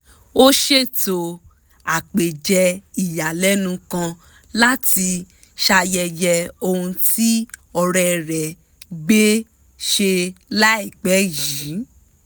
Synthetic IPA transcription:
o˦ʃe˦˨to˧ | a˨k͡pe˨d͡ʒɛ˧i˨ja˨lɛ˨˦nũ˧kã˧ | la˦ti˧ | ʃa˧jɛ˧jɛ˧o˧hũ˧ti˦ɔ˧ɾɛ˧ɾɛ˨ | ɡ͡be˦ | ʃe˧la˦i˦˨k͡pɛ˨˦˨ji˨˦

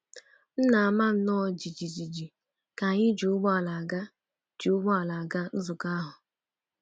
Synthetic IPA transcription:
n̩˦na˨a˨ma˦n̩˦nɔ˦d͡ʒi˨d͡ʒi˨d͡ʒi˨d͡ʒi˨ | ka˨ɲɪ˦d͡ʒu˨ʊ˦ɡ͡bɔ˦a˨la˨ɡa˦ | d͡ʒu˨ʊ˦ɡ͡bɔ˦a˨la˨a˨ɡa˦n̩˦zʊ˨ka˦ɦʊ˨

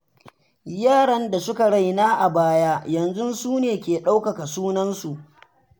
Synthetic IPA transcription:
jaː˦˨ɽɐ˦nda˨sʊ˦ka˨ɽa˦˨jnaː˦ʔa˨baː˦jaː˦jɐ˨nzʊ˦nsuː˦neː˨kʲeː˨ɗa˦wkɐ˨ka˨suː˦nɐ˦nsu˨ʔ

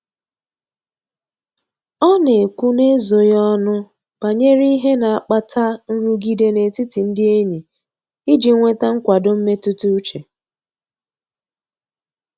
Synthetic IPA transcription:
ɔ˦ne˨kʷu˦ne˦zo˨jɔ˦nʊ˦ | pa˨ɲe˦ɾi˦ɦe˦na˨a˨k͡pa˦tʰa˦n̩˦ɾu˦ɡi˦de˦ne˨ti˦ti˨n̩˦dɪ˦e˦ɲi˨ | i˦d͡ʒi˨˦ŋʷe˦ta˦ŋ̩˦kʷa˨dʊ˦m̩˦me˦tʊ˦tu˦t͡ʃe˨

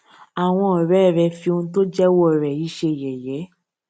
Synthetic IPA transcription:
a˨w̃ɔ̃˧ɔ˨ɾɛ˨˦˨ɾɛ˧fi˧õ˧˦to˦d͡ʒɛ˦wɔ˦˨ɾɛ˨i˨˦ʃe˧˨jɛ˨jɛ˨˦

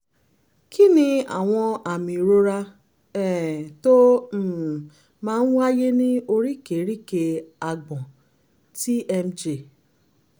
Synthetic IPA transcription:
kʰi˦nĩ˧a̰˨w̃ɔ̃˧a˨mĩ˨ɾo˧ɾa˧ | ɛ˦˨to˦˨ | mãː˦n̩˦wa˦je˦nĩ˦o˧ɾi˦˨ke˨˦ɾi˦˨ke˧a˨ɡ͡bɔ̃˨ | ti˦ʔɛ˧m˦d͡ʒe˨

